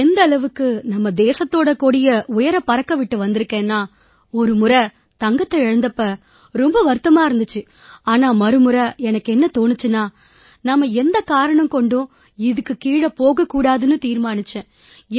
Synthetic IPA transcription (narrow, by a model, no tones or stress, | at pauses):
ɛnd̪ɐɭɐʋɯkːɯnɐmːɐd̪eːsɐt̪ːoːɽɐkːoːɽɪjɐʊjɐɾɐpɐɾɐkːɐʋɪʈːɯʋɐnd̪ɪɾɯkːẽːnːaː | ɔɾɯmɯɾɐ | t̪ɐŋɡɐt̪ːɐɛɻɐnd̪ɐpːɐ | ɾɔmbɐʋɐɾɯt̪ːɐmaːɪɾɯnd̪ɯt͡ʃːɯ | aːnaːmɐɾɯmɯɾɐɛnɐkːɛnːɐt̪oːɳɯt͡ʃːɯnːaː | nɐmːɐɛnd̪ɐkaːɾɐɳɐmkɔɳɖʊ̃ | ɪðɯkːɯkiːɽɐpoːɣɐkːuːɽaːðɯnɯt̪iːɾmaːnɪt͡ʃːẽː